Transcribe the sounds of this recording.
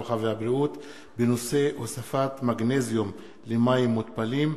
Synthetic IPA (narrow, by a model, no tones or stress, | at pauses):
aχavehabʁiut̪ | beno̞se̞ʔosafat̪maɡnezijum | lemajimːut̪palim